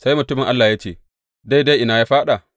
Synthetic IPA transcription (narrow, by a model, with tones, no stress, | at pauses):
sa˦jmʊ˨tʊ˦mɪ˨ŋʔa˦lːaː˨jaː˦t͡ʃeː˦˨ | da˦jda˦jʔɪ˦na˨ja˦ɸaː˦ɗa˨